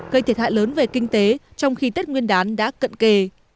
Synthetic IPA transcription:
kə˧jt̪ʰi˨˩a̰ː˧˨ləː˨˦nve˨˩kï˧ŋ̟t̪e˨˦t͡ɕɔ˧wŋ͡mxi˧t̪e˦˥t̚ŋwi˧ənɗaː˨˦nɗa̰ː˧˥kə̰˧˨nke˧

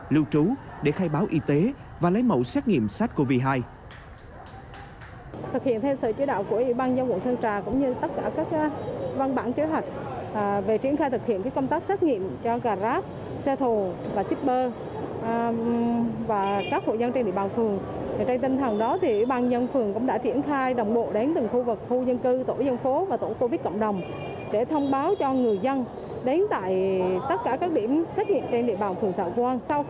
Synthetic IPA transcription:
lɨ˧wt͡ɕu˨˦ | ɗe˧˩xaː˧jɓaː˨˦wʔi˧˦t̪e˨˦ | vaː˨˩lə̰˨˦jmə̰˧˩wsɛ˦˥t̚ŋḭ˧˨əmsa˦˥t̚ko˧vi˧˩ɦaː˧j | t̪ʰɨ˨˩k̚hi˧˨ənt̪ʰɛ˧wsə̰ː˧˩t͡ɕi˨˦ɗa̰ː˧˨wku˧˩əʔḭ˧˩ɓaː˧nzə˧wvə̰˧˨ŋsə˧nt͡ɕaː˨˩kʊ̰˧˥ŋ͡mɲɨ˧t̪ə˦˥t̚kaː˧˩kaː˦˥k̚va˧nɓaː˧˩nke˨˦ɦwa˨˩jk̟̚ːve˨˩t͡ɕi˧˩˥ənxaː˧jt̪ʰɨ˨˩k̚hḭ˧˨ənkaː˨˦kə˧ŋ͡mt̪aː˦˥k̚sa˦˥t̚ŋḭ˧˨əmt͡ɕɔ˧ɣaː˨˩zaː˦˥t̚ | sɛ˧t̪ʰo˨˩vaː˨˩si˦˥t̚ɓəː˧ | vaː˨˩kaː˦˥k̚ho̰˧˨jzə˧nt͡ɕe˧nɗḭ˧˨ɓaː˨˩wfɨ˨˩əŋ | a˨˩t͡ɕa˧ŋt̪ï˧ŋ̟t̪ʰə˨˩ŋɗɔ˨˦t̪ʰi˨˩i˧˩ɓaː˧˩nzə˧nfɨ˨˩əŋkʊ̰˧˥ŋ͡mɗa̰ː˧˥t͡ɕi˧˩ənxaː˧jɗə˨˩wŋ͡mɓo̰˧˨ɗe˨˦nt̪ɨ˨˩ŋxu˧vɨ˨˩k̚xu˧zə˧nkɨ˧t̪o̰˧˩zə˧nfo˨˦vaː˨˩t̪o̰˧˥˩ko˧vi˦˥t̚kɔ̰˧˨ŋ͡mɗə˨˩wŋ͡m | ɗe˧˩t̪ʰə˧wŋ͡mɓaː˨˦wt͡ɕɔ˧ŋɨ˨˩əjzə˧n | ɗe˨˦nt̪a̰ː˧˨jt̪ə˦˥t̚kaː˧˩kaː˦˥k̚ɗi˧˩əmsa˦˥t̚ŋḭ˧˨əmt͡ɕe˧nɗḭ˧əɓaː˨˩wfɨ˨˩əŋt̪ʰə̰ː˧˨˩kwaː˧nsa˧w

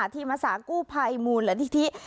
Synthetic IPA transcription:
t̪ʰiː˥˩maː˧saː˨˦kuː˥˩pʰa˧jmuː˧nlɛː˨˧˦t̪ʰi˦˥t̪ʰi˦˥ʔ

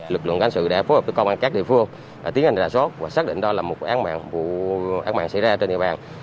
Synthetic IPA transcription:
lɨ˨˩k̚lɨ̰˧˨ŋkaː˨˦nsɨ̰˧˨ɗa̰ː˧˥fo˨˦h̚ə˨˦kːwŋ͡mʔa˧nkaː˦˥k̚ɗḭ˧˨əfɨ˧əŋ | aː˨˩i˨˦əha˧jŋzaː˧˩so˦˥t̚vaː˨˩saː˦˥k̚ɗḭ˧˨ŋ̟ɗɔ˨˧laː˨˩mo˨˩t̚ʔaː˨˦nma̰ː˧˨ŋvṵ˧˨ʔaː˨˦nma̰ː˧˨ŋsa̰˧˥jzaː˧t͡ɕe˧nzḭ˧˨ɓaː˨˩n

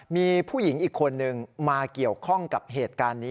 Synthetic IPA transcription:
miː˧pʰuː˥˩ji˩˦ŋʔiː˨˩kʰːo˧nːɯ˨˧ŋmaː˧ki˨˩əwkʰɔ˥˩ŋka˨˩p̚ɦeː˨˩t̪̚kaː˧nːiː˦˥

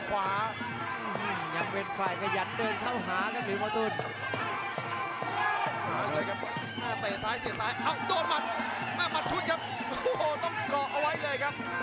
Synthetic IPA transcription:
kʰwaː˩˦˧ | ɯː˧˩ɲa˧ŋpe˧nfaː˨˩jkʰa˧ja˨˩t̪̚dɤː˧nkʰa˥˩wɦaː˩˦kʰa˦˥pɾɯː˨˦paː˧t̪o˧n˧˩ | aː˧˩˨jkʰa˦˥p̚ | aː˧˥˩t̪eː˨˩saː˦˥jsi˨˦saː˦˥jʔa˧wdoː˧n̚ma˨˧˩t̪̚ | maː˥˩ma˨˧t̪̚t͡ɕʰu˦˥t̪̚kʰa˦˥p̚ | ʔoː˧hoː˨˧˩t̪ɔ˥˩ŋkɔː˨˩ʔa˧wa˦˥jlɤː˧jkʰa˦˥p̚

